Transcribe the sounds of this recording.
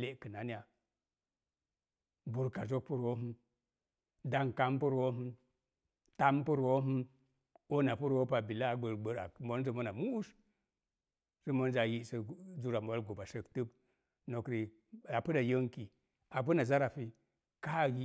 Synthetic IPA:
le˦kɨ˨na˨ni˦a˨ | bu˨ɾka˨d͡ʒo˦k̚pu˦ɾwo˦ɦu˦m | da˦ŋka˦mpu˦ɾwo˦ɦu˦ | ta˦mpu˦ɾwo˦ɦu˦m | o˦na˨pu˦ɾwo˦pa˨bi˨la˦˨ɡ͡bə˨ɾɡ͡bə˨ɾa̰˨mo˦n˦zə˨mo˦na˨mu˦u˦s | si˦mo˦nza˨ji˦sə˨˦d͡ʒu˦ɾa˨m˨o˦lɡo˨ba˨ʃə˨ktɨ˦b | no˨kɾi˨ | a˨pɨ˦da˨jo˦ŋki˨ | a˨p̬u˦na˨za˦ɾa˨fi˨ | ka˦˨ji˦

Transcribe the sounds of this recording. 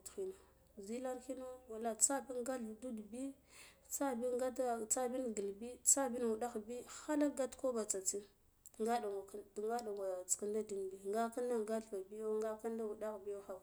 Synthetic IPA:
txi˨no˨ | zi˦la˦nxi˦no˦wa˨la˨t͡sa˦bi˦nɡa˦ɮdu˦dbi˦ | t͡sa˦bi˦ɡa˦dt͡sa˦bi˦nɡi˨lbi˦t͡sa˦bi˦n˨wu˨ɗa˦xbi˦xa˦la˦ɡa˦tko˦ba˨t͡sa˨t͡si˦˨ | ŋɡa˦da˨ŋa˨kŋɡa˦ɗa˨ŋɡa˨t͡ska˦nda˦di˨nbi˨ŋɡa˦ka˦nda˦ɡa˦ɬva˨bi˦jo˦ŋɡa˦ka˦nda˦wu˨da˦xbi˦jo˦xa˨

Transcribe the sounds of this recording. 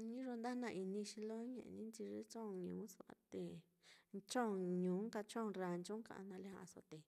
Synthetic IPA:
ɲĩ˦ʐo˧nd̪a˦nã˧ʔi˧nĩ˧ʃi˧lo˦ɲḛ̃˨ʔḛ˧nĩ˦nt͡ʃi˧ʐe˦t͡ʃõ˦˨˧ɲũː˨˦so˧a̰˧t̪e˧˨ | t͡ʃõ˦˨ɲũː˨˦ŋka˧t͡ʃõ˦˨˧ɾa˧nt͡ʃũ˦ŋkã̰˧˨ʔã̰˧nã˧le˦hã˧a̰˧so̰˧t̪e˧˨

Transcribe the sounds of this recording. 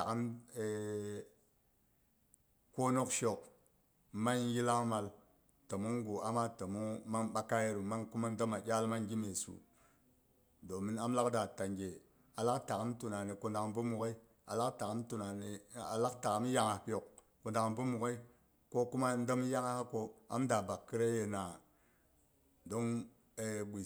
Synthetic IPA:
ta˨ka˦me˨ | ko˦no˦kʃo˨k̚ | ma˦n˦ji˦la˦ma˨l | tə˨mu˦ŋɡu˨a˦ma˦tə˨mu˦ŋma˦ŋɓa˦ka˦je˦ɾu˨ma˦ŋku˦ma˦n˦də˦ma˨d͡ʒʲa˦lma˦ŋɡi˦me˨sṵ˨ | do˨mi˦na˦mla˦kda˨ta˨ŋɡʲe˨ | a˨la˦kta˨ka˦mtu˨na˨ne˨ku˨nda˨kbu˦mu˨ke˦i˦ | a̰˨la˦kta˨a˦mtu˨na˨ne˨a̰˨la˦kta˨ka˦m˦ja˦ŋa˨˦pi˦jo˨k̚ | ku˨nda˨km˨bu˦mu˨ke˦i˦ | ko˦ku˦ma˦n˦də˦m˦ja˦ŋa˦ko˦a̰˦mda˨ba˨kːi˦ɾe˦je˨na˨ | do˦ŋ | e˨bi˨

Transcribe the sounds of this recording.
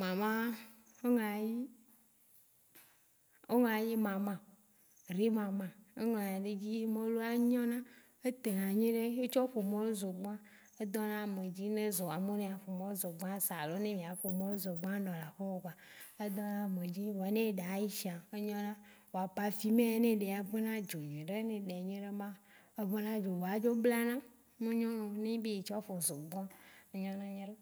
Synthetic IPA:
mã˨mã˦ | o˦ŋã˨ji˦ | o˦ŋã˨ji˦mã˨mã˨ | ɾe˦mã˨mã˨e˦ŋɔ̃˨nã˨ɖe˦d͡ʑi˦mẽ˦lo˦a˦ɲɔ̃˦nã˦ | e˦t̪e˨nã˨ɲẽ˦ɖe˦e˦t͡ʃɔ˦ɸo˨mɔ̃˦lo˦zo˨ɡ͡bã˦ | e˦d̪ɔ˦nã˦˨mẽ˨d͡ʑi˦nẽ˦zɔ˨a˨mẽ˦nẽ˦a˨ɸo˨mɔ̃˦o˦zo˨ɡ͡bã˦sa˨lo˦nẽ˦mĩ˨a˨ɸo˨mɔ̃˦lo˦zɔ˨ɡ͡bã˦ɖɔ˨la˨ɸɔ˦o˨ba˨e˦d̪ɔ˦nã˦˨me˨d͡ʑi˦wo˨a˨nẽ˦ɖa˨˦ji˦ʃi˨a˨e˦ɲɔ̃˦nã˦wo˨a˨pa˨fi˦mẽ˦nẽ˦ɖe˨a˨ve˦nã˦d͡ʒo˨ɲẽ˨ɖe˦nẽ˨ɖe˨ɲẽ˦ɖe˦mã˦e˦βe˦nã˦d͡ʒo˨wo˨a˨d͡ʒo˦bla˦nã˦ | mẽ˦ɲɔ̃˦nõ˨nẽ˦bi˦e˨t͡ʃɔ˦ɸo˨zo˨ɡ͡bɔ˦a˦e˦ɲɔ̃˦nã˦ɲẽ˦ɖe˦

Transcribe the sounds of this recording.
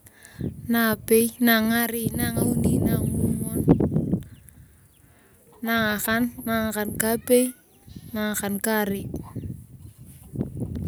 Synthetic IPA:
na˨pe˦jna˨ŋa˦ɾɪ˦na˨ŋa˨u˦ni˦na˨ŋ˦u˦mɔ˦n | na˨ŋa˨xa˦nːa˨ŋa˨ka˨nka˦pe˦j | na˨ŋ˨xa˨nka˦˨ɾɪ˦

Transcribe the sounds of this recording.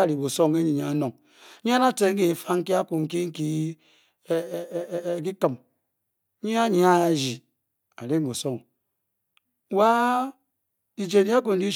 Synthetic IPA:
a˦˨ɾi˨bo˨so˦ŋe˦ɲi˨ɲa˨a˦no˨ŋ˦ | ɲ˦a˦na˦te˨ŋ̩˦ki˨fa˦ŋ̩˦ki˦a˦ku˨ŋ̩˨ki˦ŋ̩˦ki˦˨˦ | ki˦kɨ˨m˦ | ɲi˦a˦ɲi˦a˦˨d͡ʒi˨ | a˨ɾe˦m˦bo˨so˦˨ŋ˦ | wa˦ | di˨d͡ʒe˨n˦i˦a˦ku˨n̩˦di˦

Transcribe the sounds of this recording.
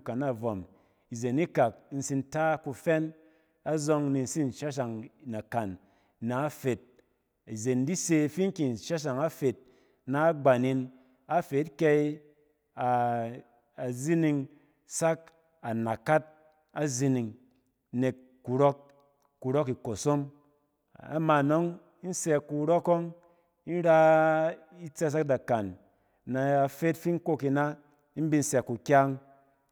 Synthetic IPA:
ka˨na˦˨vɔ˨m | i˨ze˨ni˦ka˨k̚n̩˦si˧nta˦ku˧fɛ˦n | a˦zɔ˧ŋni˧n̩˦si˦n̩˨ʃa˦ʃ̬a˨ŋna˨ka˨nː | a˨˦a˦fe˨t̚ | i˨ze˨n˦di˦se˧fi˦ŋ˦ki˨n˨ʃa˦ʃ̬a˨ŋa˦fe˨t̚ | na˨˦ɡ͡ba˨ni˧n | a˦fe˨˦t̚kʲɛ˧i˦ | a˨ | a˨zi˦ni˧ŋ | sa˦k̚ | a˨na˨ka˦t̚ | a˦zi˧ni˨ŋ | ne˨kː | u˨ɾɔ˦k̚ː | u˨ɾo˦ki˨ko˨so˦m | a̰˨ma˨no˦ŋ | i˦n̩˦sɛ˧ku˨˧ɾo˦ko˦ŋ | i˦n˦ɾa˦ | i˦t͡sɛ˦s̬a˦k̚da˨ka˨nː | a˨a˧fe˦tfi˦n̩˦ko˦˧ki˧na˦ | i˦n̩˦bi˧n̩˦sɛ˧˨ku˨kʲa˦ŋ

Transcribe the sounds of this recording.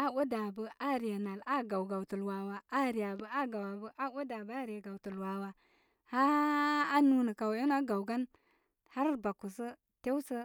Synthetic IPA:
a˦wu˦da˨bə˦a˦ɾi˨ja˨na˨la˦ɡa˨wɡa˨wtə˨lwa˨wa˨a˦ɾi˨ja˨bə˦a˦ɡa˨wa˨bə˦ʔa˦wu˦da˨bə˦a˦ɾi˨ja˨ɡa˨wtə˨lwa˨wa˦ | haː˦ | nu˦nə˨ka˨wu˦n˦a˦ɡa˨wɡa˦n | ha˦ɾba˨ku˨sə˦ | te˦wsə˦

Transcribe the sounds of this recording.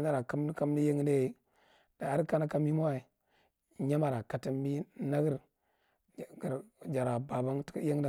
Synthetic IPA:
na˦ɾa˨ka˦m˦ka˦m˦ni˦je˦ŋ˦ne˦ | da˨a˦ɾka˦na˦ka˦mi˦mo˦a˨i˨ | ɲa˦ma˨ɾa˨ka˨ta˦mːi˦na˦ɡə˦ɾ | ɡi˨ɾd͡ʒa˨ɾa˨ba˨ba˦ŋtje˦ŋ˦a˦˨

